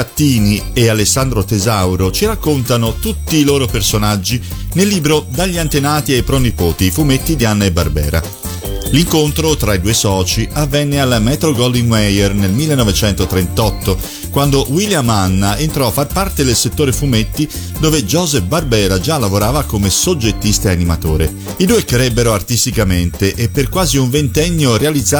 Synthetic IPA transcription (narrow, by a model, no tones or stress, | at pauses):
at̪ːiːniealesːand̪ɾot̪ezawɾot͡ʃiɾakːont̪anot̪ut̪ːiːloːɾopersonad͡ʒːinelːiːbɾod̪aʎːiant̪enaːt̪iajpɾɔnipoːt̪iːfumet̪ːid̪ianːaebːarbɛ̰ːɾa̰ | liŋkont̪ɾot̪ɾaid̪uːesɔːt͡ʃiavːɛnːealmɛːt̪ɾoɡɔld̪iŋwɛjɛrnelmilːenːɔvet͡ʃɛnt̪ot̪ɾent̪ɔt̪ːo | kwand̪oʔwiljamanːaent̪ɾɔafːarpart̪ed̪elset̪ːoːɾefumet̪ːi | d̪oːved͡ʒɔːzɛbarbɛːɾad͡ʒalːavoɾaːvakomesod͡ʒːet̪ːist̪aanimat̪o̰ːɾe | id̪uːekɾɛbːeɾoart̪ist̪ikament̪eʔepːerkwaːziuɱvent̪ɛɲːorealid̪za